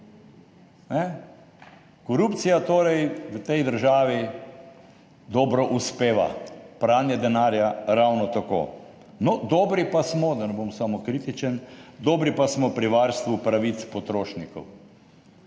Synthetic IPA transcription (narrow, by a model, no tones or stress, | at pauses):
nɛ | kɔɾuːpt̪sijat̪oːɾɛjʋət̪ɛjd̪əɾʒaːʋi | d̪ɔːbɾɔʔuspeːʋa̰pɾaːnjɛd̪ɛnaːɾjaɾawnɔt̪ako̰ː | nɔd̪ɔːbɾipasmɔd̪ɐnɛboːmsamɔkɾit̪it͡ʃənd̪ɔːbɾipasmɔpɾiʋaːɾst̪ʋupɾaʋit̪spɔt̪ɾoːʃnikɔ̰w